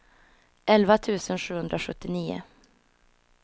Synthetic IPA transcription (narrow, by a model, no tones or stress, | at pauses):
ʔɛlvat̪ʰʉ̟ːsənʂʉ̟ːhɵnd̪ɾaɧɵt̪ːɪniːʊ̰